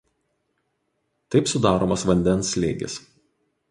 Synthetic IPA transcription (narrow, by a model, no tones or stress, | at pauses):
t̪ɐɪpsʊd̪ɑːɾo̰ːmɐsʋɐnʲd̪ʲɛnsʲlʲeːɡʲɪ̰s